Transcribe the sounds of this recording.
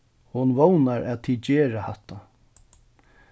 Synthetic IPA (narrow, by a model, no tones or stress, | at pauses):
hʊnʋownaɾʔɛːðt̪ʰiːd̪t͡ɕɛːɾahaht̪ːa